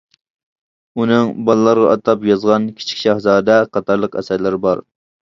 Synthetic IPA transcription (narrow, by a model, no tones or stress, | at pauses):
unɨŋbɑlˠlːˠɑɾʁɑʔɑt̪ʰɑpjɑzʁɑnkʲʰi̥t͡ʃʰi̥kʲʃɑhzɑːd̪ɛqʰɑt̪ʰɑɾlˠəqæ̰sæɾlɪɾɪbɑɾ